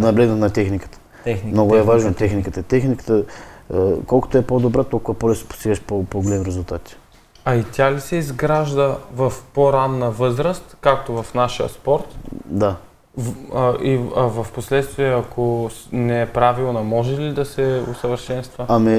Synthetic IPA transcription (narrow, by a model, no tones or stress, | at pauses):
nɐblɛɡnət̪nɐt̪ɛxnikə̥t̪ə̥ | mnoɡʊɛvaʒnot̪ɛxnikət̪ət̪ɛxnikə̥t̪ə | kɔlˠko̥t̪oɛpod̪obɾat̪olˠkʊvɐpolɛso̥po̥st̪iɡəʃpopoɡolɛmiɾɛzʊlˠt̪at̪ʲi̥ | ɐit̪ʲalisɛizɡɾaʒd̪əvɐfpoɾanːɐvɤzɾəst̪kak̚t̪ovɐfnaʃijə̰spɔɾt̪d̪a | əiɐvɐfposlɛt̪st̪viɛɐkʰonɛɛpɾavilˠnɐmɔʒɛlid̪ɐsɛʊsəvəɾʃɛnst̪vəɐmi